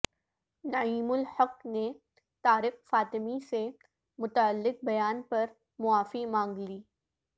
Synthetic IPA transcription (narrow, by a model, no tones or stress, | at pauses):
nɐiːmʊlhɐqne | t̪aːɾɪxfaːt̪ɪmise | mʊt̪aəlːɪq̚bɐjaːnpɐɾ | mʊaːfimãːŋɡliː